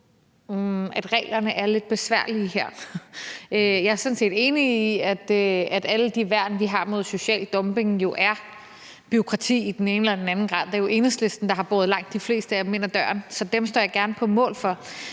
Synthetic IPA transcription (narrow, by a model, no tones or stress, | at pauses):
ʔæd̥ʁɛ̰ːlɐnəʔæɐle̝d̥̚b̥e̝sʋæɐ̰lihæɐ̰ | øjɑ̈æɐsɔ̽nse̝̰ːd̥e̝ːniːæd̥øæd̥æləd̥iʋæɐ̰dn̩ʋiɦɑ̈mo̝ð̞̰ˠso̝ɕɛ̰ːld̥ɒ̽mb̥e̝ŋjo̝ʔæɐ | b̥yo̝kʰʁɑ̈t͡sʰḭːid̥en̩e̝ːnəelɐd̥enænn̩ɡ̥ʁɑ̈ð̰ˠd̥eɐjo̝ʔe̝nəsle̝sd̥n̩d̥ɑ̈ɦɑ̈b̥o̝ːð̞̩ˠlɑ̈ŋ̰d̥ːifle̝̰ːsd̥əæme̝n̰æd̥ɶːɐnsɒ̽d̥emsd̥ɒ̰ːjɑ̈ɡ̥æɐnəpʰɒ̽mɔ̰̽ːlfɒ̽